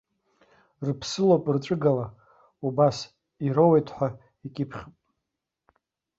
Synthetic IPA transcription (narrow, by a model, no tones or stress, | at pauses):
rpʰsɨlopʼrʈ͡ʂʼɨɡala | ubas | iɾowejtʰħʷᶣa | ikʲʼɪpʰχʲpʼ